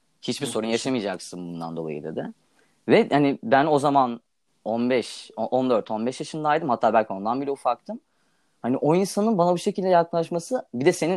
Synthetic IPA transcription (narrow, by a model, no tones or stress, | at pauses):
hit͡ʃbiso̞ɾunjaʃamɯjd͡ʒaksɯnbund̪a̰nd̪o̞lˠa̰jɯ̰d̪ḛd̪ɪ | vɛhanibæno̞zaman | o̞nbɛʃoʔo̞nd̪øɾt̪ʰo̞nbɛʃjaʃɯnd̪aːjd̪ɯmat̪ʰːaːbælʲcʰio̞nd̪anbilʲɛufak̚t̪ʰɯm | haniʔo̞insanɯnbanabuʃe̞cilʲd̪ɛjaklˠaʃmasɯbid̪ɛse̞nin